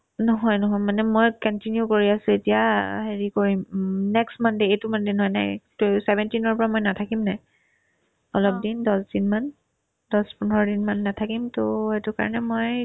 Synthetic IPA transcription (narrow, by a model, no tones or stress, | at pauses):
nɔɦɔjnɔɦɔjmanɛmojkɔntinjukoɹiasʊetijaɦeɹikoɹimnɛkstmandeejtumandenɦɔjna̰jtosɛbɛntinɔɹpɔɹamojnatʰakimnaj | ɔlɔp̚dindɔsdinman | dɔspʊnɔɹɔdinmanːatʰakimtoetʊka̰ɹɔ̰nɛmoj